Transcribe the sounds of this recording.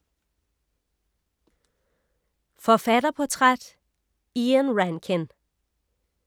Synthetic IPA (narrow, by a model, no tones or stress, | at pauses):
fɒfæd̥ɐpʰɒ̽t͡sʰʁad̥ | iənʁænkʰen